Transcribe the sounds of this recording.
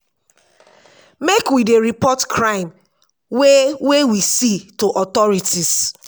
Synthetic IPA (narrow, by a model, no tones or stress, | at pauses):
mekwideɹipɔtkʰɹãɪ̃m | wewewisitoʔɔtɔɹitis